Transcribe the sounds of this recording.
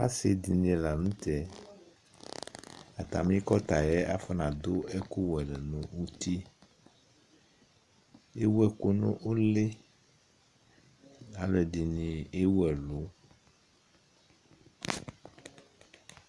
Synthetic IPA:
a̰˦se˨d̪i˨n˦e˨la˨nũ˦t̪ɛ˨ | a˨t̪a̰˨mĩ˦kɔ˦t̪a˨jɛ˦a˦fɔ˦nã˨d̪o˦ɛ˦ku˦wɛ˨le˨nũ˨wu˦t̪i˦ | e˦wɛ˨ko˦nṵ̃˦ʔo˦le˦ | a˨lo˦ɛ˨di˨nĩ˨e˦wɛ˨lo˨˦

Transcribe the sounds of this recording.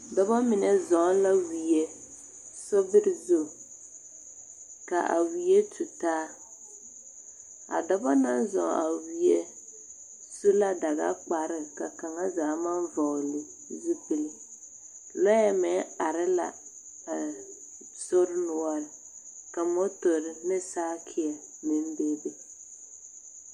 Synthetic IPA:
dɔ˦bɔ˦mɪ˨nɛ˦zɔ˨˦la˦wi˨e˦ | so˦bɪ˦ɾɪ˨zo˦˨ | ka˨ʔa̰˨wi˨je˦tʰu˨taː˦ | a̰˨dɔ˦bɔ˦na˦nzɔ̰˨˦ʔa̰˨wi˨e˦ | su˦la˦da˨ɣa̰˦k͡pa˨ɾɪ˦˨ka˨ka˨ŋa˦zaː˨˦ma˦nvɔ˨lɪ˨ | zi˦pɪ˦lɪ˦ | lɔ˦jɛ˦mɛ˨a˨ɾɪ˦la̰˨ | a˨ | sʊ˦ɾnʊ˨ɔ˦ɾɪ˨ | ka˨mɔ˦tʊ˨ɾɪ˨nɪ˦saː˦kʰɪ˨ɛ˨ | mɪ˦n˦be˦be˨

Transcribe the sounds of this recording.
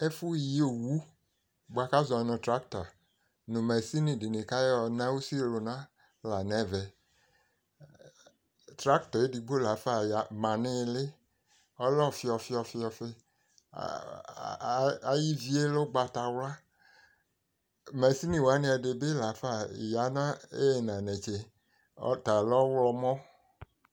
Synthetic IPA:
e˦fu˦˨ji˦o˨wu˦ | ɡ͡bo˨a˨ka˦zɔ˨nɔ̃˨tɾa˦k̚ta˨ | nõ˨mɛ˨si˦nĩ˨di˨nẽ˨ka˦jɔ˨nã˦wo˦si˦˨lo˨nã˦ | la˨nɛ̃˨˦˨vɛ˨ | tɾa˦kt̪ɔ˨e˦di˨ɡ͡bo˦la˨fa˨ja˨mã˨nɪ̃˦˨lɪ˦ | ɔ˦lɔ˦˨fi˧ɔ˧fi˦ɔ˧fi˧ɔ˧fḛ˧ | a˨ji˦vi˦e˦lo˦ɡ͡ba˧ta˧wla˦ | mɛ˨si˦nĩ˨wa˨˦nẽ˧a˧de˨be˦la˨fa˦˨ja˨˦nã˦e˦˨nã˨nɛ˨t͡ʃḛ˨˦ | ta˨lɔ˦wlɔ˧mɔ̃˦

